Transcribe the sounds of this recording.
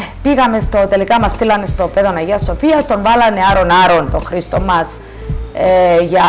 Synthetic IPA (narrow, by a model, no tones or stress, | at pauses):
piɣɐmest̪o̞t̪e̞likɐmɐst̪ilɐnest̪o̞peðo̞nɐʝiɐsːo̞fiɐst̪o̞nvɐlɐneaɾo̞naɾo̞nt̪oxɾist̪o̞mːɐs | eʝɐ